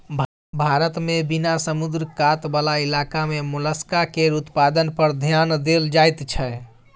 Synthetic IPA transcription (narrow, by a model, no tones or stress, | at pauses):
b | bʱaɾət̪mebinasəmud̪ɾkat̪balailakamemuləskakeɾut̪pad̪ənpəɾd̪ʱjand̪eld͡ʒajt̪t͡ʃʰɛ